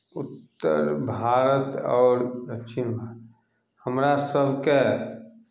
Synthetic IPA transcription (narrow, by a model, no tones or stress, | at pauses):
ʊt̪ːə̰ɾbʱaːɾət̪ɔːɾd̪əkːt͡ʃʰɪnbʱaːɾət̪ | həmɾasəbʱke